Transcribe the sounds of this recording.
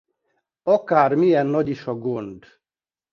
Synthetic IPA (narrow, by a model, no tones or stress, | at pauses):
ɒkaːrmijɛnːɒɟiʃɒɡond̪